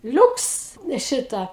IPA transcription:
ˈlʲuːks ˈʃʲɪtɑː

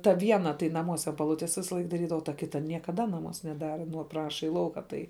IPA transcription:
tɐ ˈʋʲiɛnɐ tɐɪ nɐˈmuɔs ɐn pɐˈlˠʊtʲeːs ˈʋʲɪsɐlˠɐɪk dɐˈrʲiːdɐʋɐ oː tɐ ˈkʲɪtɐ nʲiɛkɐˈdɐ nɐˈmuɔs nʲɛˈdɑːrɐ ˈprɑːʃɐ iː ˈlˠɐʊkɐ ˈtɐɪ

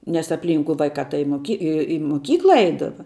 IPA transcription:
nʲɛs ɐpʲˈlʲiːŋkʊ ˈʋɐɪkɑː tɐɪ ɪ moːˈkʲɪ ɪ ɪ moːˈkʲiːklˠɐ ˈɛɪdɐʋɐ

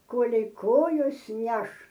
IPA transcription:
ˈkoːlʲɛɪ ˈkoːjoːs ˈnʲɛʃ

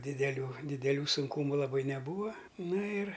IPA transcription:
dʲɪdʲɛˈlʲuː dʲɪdʲɛˈlʲuː sʊŋˈkuːmʊ lˠɐˈbɐɪ nʲɛˈbuːʋɐ ˈnɐ ɪr

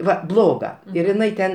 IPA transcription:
ˈʋɐ ˈblˠoːɡɐ ɪr ɪˈnɐɪ tʲɛn

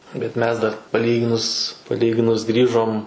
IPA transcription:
bʲɛt ˈmʲɛs dɐr pɐˈlʲiːɡʲɪnʊs pɐˈlʲiːɡʲɪnʊs ˈɡrʲiːʒoːm

